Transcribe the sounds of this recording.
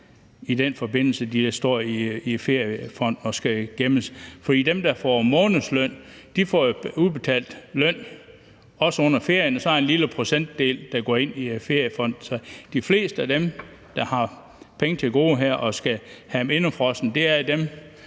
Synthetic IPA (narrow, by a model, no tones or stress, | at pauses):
id̥enfɒ̽be̝n̰l̩səd̥i̥sd̥ɒɐ̰iife̝ɐ̰jəfɒ̽n̰d̥ɒ̽sɡ̥æɡ̥eməsfɒd̥ḭːd̥emd̥ɑ̈fɒmɔ̽ːnəslœn̰ | d̥ifɒ̰jo̝uðˠb̥e̝t͡sʰɛ̰ːld̥lœn̰ | ɒ̽səɔ̽n̰ɐfe̝ɐ̰jənɒsɒenliləpʰʁo̝sen̰d̥ːe̝̰ːld̥ɑ̈ɡ̥ɒ̰ːe̝n̰ife̝ɐ̰jəfɒ̽n̰d̥̩sɒ̽d̥ifle̝̰ːsd̥əæd̥em | d̥ɑ̈hɑ̈ | pʰeŋət͡sʰe̝lɡ̥o̝̰ːɦæɐ̰ʔɒ̽sɡ̥æhæme̝nəfʁɒ̽sn̩d̥e̝æɐd̥em